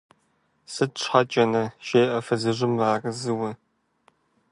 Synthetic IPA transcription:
sɨt̚ʂħat͡ʃʼɐnɐʃeːʔɐfɐzɨʑʷɪmraːrɨzɨwɐ

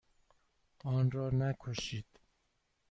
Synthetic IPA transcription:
ɒːnɾɒːnækʰoʃiːd̪̥

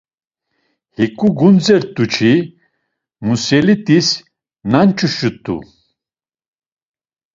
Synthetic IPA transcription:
hikʼuɡund͡zɛɾt̪ʼut͡ʃʰi | musɛlit̪ʼis | nant͡ʃʼuʃut̪ʼṵ

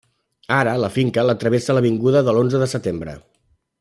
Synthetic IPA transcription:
aɾələfiŋkələt̪ɾəβesələβ̞iŋɡuðəðəlonzəðəsət̪embɾə̰

